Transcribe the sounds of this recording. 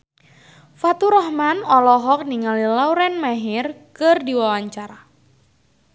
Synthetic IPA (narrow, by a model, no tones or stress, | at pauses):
fat̪uɾɔhmanɔlɔɦɔk̚niŋalilawɾɛnmaɦɪrkɨrdiwawaɲt͡ʃaɾa